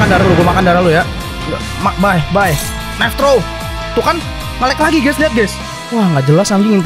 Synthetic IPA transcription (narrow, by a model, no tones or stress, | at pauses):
kandaɾaluɡamakandaɾaluja | a | mabajbaj | nɛft̪ɾo | t̪ukan | ŋalɛklaɡiɡɛsliat̪̚ɡɛs | wahŋɡaʔd͡ʒəlasaŋɡɪŋɪn